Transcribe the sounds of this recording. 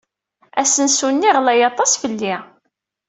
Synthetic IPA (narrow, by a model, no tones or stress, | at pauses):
æsənsunːiʁlæjɑt̪ˤɑsfəlːi